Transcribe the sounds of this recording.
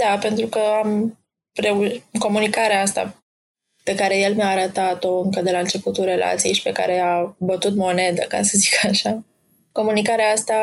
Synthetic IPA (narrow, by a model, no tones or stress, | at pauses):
d̪ape̞nt̪ɾukəam | ɾeuko̞munikaɾeaast̪a̰ | pe̞kaɾe̞je̞lmjaːɾət̪at̪o̞ɨŋkəd̪e̞laɨnt͡ʃe̞put̪ulɾe̞lʔa̰t̪sijejʃi̥pe̞ka̰ɾe̞abət̪ut̪mo̞ne̞d̪ə̰kasəzikaʃa | ko̞munikaɾeaast̪a